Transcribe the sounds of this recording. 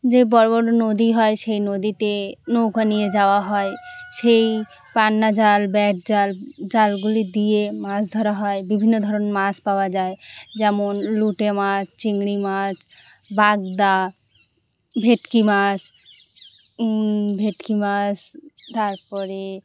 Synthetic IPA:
d͡ʒebɔɾbɔʈnod̪iɦɔeʃejnod̪it̪enowkanijed͡ʒaoaɦɔeʃej | panːad͡ʒalbɛʈ̚d͡ʑald͡ʒalɡulid̪iemasd̪ʱɔɾaɦɔebibʱinːod̪ʱɔɾɔnmaspawad͡ʒaed͡ʒɛmonluʈemast͡ɕiŋɡɽimat͡ʃ | baɡ̚d̪a | bʱeʈkimas | bʱeʈkimast̪aɾpɔɾe

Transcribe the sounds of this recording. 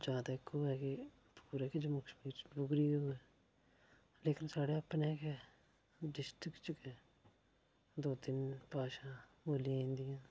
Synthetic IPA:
d͡ʒaːd̪akːoːɛke | puːɾekid͡ʒomʊkbʊɡɾiɦoːɛ | leːkɪnsaːɽeɐpneːkɛ | ɖɪsʈɪkt͡ʃʊkɛː | d̪oːt̪ɪnpaːʃã | oːlend̪ijãː

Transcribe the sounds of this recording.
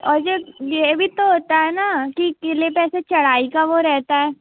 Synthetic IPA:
ɔːɾd͡ʒejebʱit̪oɦoːt̪aɦɛnakikɪlepɛːset͡ʃɐɽ̤aːikaʋoɾɛɦt̪aɦɛː

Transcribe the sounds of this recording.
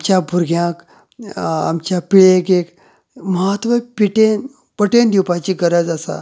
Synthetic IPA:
mt͡ɕjabʱuɾɡjãk | a̰mt͡ɕjapiɭekek | məɦət̪ʋəpiʈen | pəʈend̪iwpat͡ɕiːɡəɾəd͡zasa̰

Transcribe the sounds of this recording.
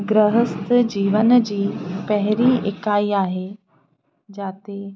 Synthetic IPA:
ɡɾəɦəst̪d͡ʑiːʋənd͡ʑiːpɐɦɪɾiɪkaːiːaːɦe | d͡ʑaːt̪e

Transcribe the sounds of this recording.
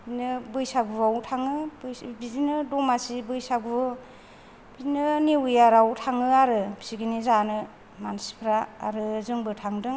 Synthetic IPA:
inɯbɯjsaɡubawtʰaŋɯbbizinɯdɔmasibɯjsaɡu | binɯnewujaɾawtʰaŋɯaɾɯbi̥siɡinizanɯ | mansi̥pʰɾa̰ːɾɯzɯŋbɯtʰaŋdɯŋ

